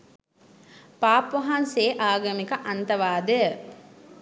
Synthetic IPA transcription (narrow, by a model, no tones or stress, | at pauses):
paːpʋɐɦanseːʔaːɡɐmikɐʔɐnt̪ɐʋaːd̪ə